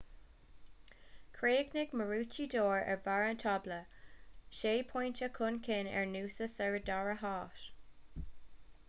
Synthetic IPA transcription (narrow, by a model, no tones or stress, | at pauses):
kʰɹeːɡnɪɡməɹuːt͡ʃidoːɹɛ̰ɹvaɹənt̪ʰɑblə | ʃeːpʰɔjnt͡ʃəkʰʊnkʰɪnɛ̰ɹnuːsəsɛɹədaɹəɦɑːʃ